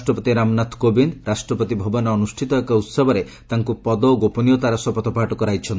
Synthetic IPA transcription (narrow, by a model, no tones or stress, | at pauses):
sʈɾɔpɔt̪iɾamnat̪ʰkobinɾasʈɾɔpɔt̪ibʱɔbɔnɔːnusʈʰit̪ɔekɔut̪sɔbʱɔɾet̪aŋkupɔd̪ɔɡopɔnijɔt̪aɾɔsɔpɔt̪ʰɔpaʈɔkɔɾajt͡ʃʰɔn